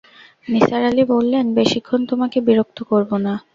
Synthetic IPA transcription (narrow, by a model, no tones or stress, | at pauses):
nisaɾalibolːenbeʃikʰːont̪omakebiɾok̚t̪ʰokoɾbona